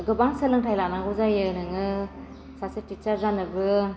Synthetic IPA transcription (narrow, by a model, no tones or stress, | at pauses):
ɡɯbaŋsəlɯŋtʰajlanaɡɔzajɯnɯŋɯ | sasitit͡ʃaɾzanɯbɯ